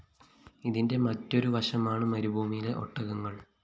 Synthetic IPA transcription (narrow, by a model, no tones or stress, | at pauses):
iðinde̞mɐtːo̞ɾuʋɐʂɐmaːɳɨmɐɾubʱuːmijileʔo̞̰ʈːɐɣɐŋːɐɭ